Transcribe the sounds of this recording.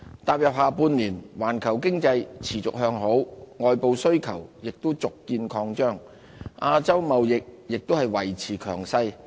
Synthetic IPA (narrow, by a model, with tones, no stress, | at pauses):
t̪aː˨p̚jɐ˨p̚ɦaː˨˧puː˧nliː˨˩nwaː˨˩nkʰɐ˨˩wkɪ˥ŋt͡sɐ˧jt͡sʰiː˨˩t͡sʊ˨k̚hœː˧ŋɦo˨˥wŋɔː˨jpo˨˧wsɵ˥ɥkʰɐ˨˩wjɪ˨k̚t̪o˥wt͡sʊ˨kːiː˧nkʰɔː˧ŋt͡ʃœː˥ŋ | ʔaː˧t͡sɐ˥wmɐ˨wjɪ˨k̚jɪ˨k̚t̪o˥whɐ˨jwɐ˨˩jt͡sʰiː˨˩kʰœː˨˩ŋsɐ˧j